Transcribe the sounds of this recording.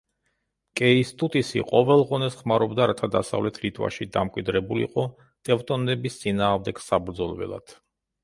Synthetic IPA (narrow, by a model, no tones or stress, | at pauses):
kʼɛist̪ʼut̪ʼisḭqʼɔvɛlˠʁɔnɛsχmaɾɔbd̪aɾat̪ʰad̪asa̰vlɛt̪ʰɾit̪ʼwa̰ʃid̪a̰mkʼwid̪ɾɛbulḭqʼɔ | t̪ʼɛft̪ʼɔnɛbist̪sʼinaːʁmd̪ɛɡ̥sabɾd̪zɔlˠvɛ̰lˠa̰d̪̥